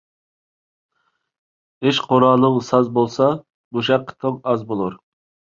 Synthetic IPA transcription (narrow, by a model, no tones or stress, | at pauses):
eʃqʰoɾɑlˠːəŋsɑzbolˠsɑ | buʃæɾqʰːə̥t̪ʰoqɑzbolˠuɾ